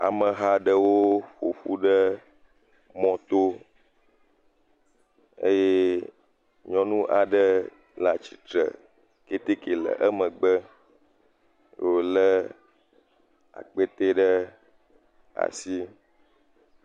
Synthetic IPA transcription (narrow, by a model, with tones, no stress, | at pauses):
a̰˨mə̃˨ɦa˦ɖə˦wo˦ɸo˨ɸu˦ɖə˦ | mɔ̃˦t̪o˦ | ḛ˦je˦ | ɲɔ̃˦nũ˦ʔa˨ɖə˦ | lã˨t͡ɕi˨t̪ɾə̰˨ | ke˦t̪e˦ke˨lə̰˨ʔə˦mə̃˨ɡ͡bə˦ | jo˨lə˦ | a̰˨k͡pe˦t̪e˦ɖə˦ | a̰˨si˦